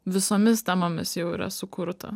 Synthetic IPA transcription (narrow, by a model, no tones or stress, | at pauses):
ʋʲɪsomʲɪst̪ʲæmomʲɪsjɛʊḭːɾɐ̰sʊkʰʊɾt̪ʰɐ̰